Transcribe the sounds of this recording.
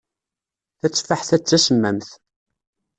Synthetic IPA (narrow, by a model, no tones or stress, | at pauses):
θæt͡sːfaħθæt͡sːæsəmːæmθ